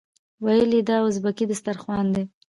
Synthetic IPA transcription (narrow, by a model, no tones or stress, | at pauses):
wajəlid̪ɑwʊzbakid̪əst̪aɾxwɑnd̪e